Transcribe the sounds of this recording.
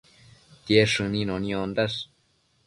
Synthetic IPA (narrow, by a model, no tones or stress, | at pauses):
t̪jeʂɨ̃nĩnõnĩõnd̪aʂ